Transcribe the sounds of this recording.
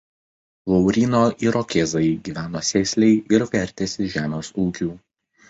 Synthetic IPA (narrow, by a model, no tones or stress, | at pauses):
lɔʊɾʲiːnoːʔiɾɔkʲeːzɐɪɡʲiːʋʲæːnoːsʲɛːsʲlʲɛɪʔɪɾʋʲɛɾʲt̪ʲɛsʲɪʒʲæːmʲeːsuːkʲuː